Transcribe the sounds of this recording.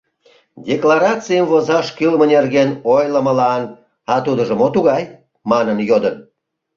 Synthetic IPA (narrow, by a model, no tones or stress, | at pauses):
dʲeklɑɾɑt͡sɨjəmvozɑʃkylmənerɣenojləməlɑn | ɑt̪ud̪əʒəmot̪uɣɑj | mɑnənjod̪ən